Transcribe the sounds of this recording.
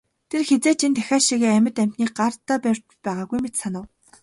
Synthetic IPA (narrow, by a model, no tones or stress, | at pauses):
t̪ʰerxet͡seːt͡ɕent̪ʰæxʲaːʃiɣeːæmʲɪ̆t̪æm̥t̪niːk̚ɢart̪ʰːaːpærʲt̪t͡ɕpæːʁaːɣujmet̪sanə̆w